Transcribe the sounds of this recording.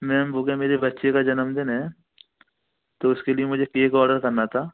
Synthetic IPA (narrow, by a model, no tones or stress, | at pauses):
mɛ̃ːmbokemeːɾebɐtːʃekad͡ʒɐnəmd̪ɪnɦɛ̃ | t̪oʊskeliemʊd͡ʒʱekeːkɔːɾɖəɾkɐɾnat̪ʰaː